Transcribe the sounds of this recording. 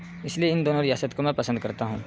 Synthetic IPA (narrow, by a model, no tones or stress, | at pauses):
ɪslijeɪnd̪oːnoɾɪjaːsət̪komɛ̃ːpɐsə̃d̪kɐɾt̪aɦũː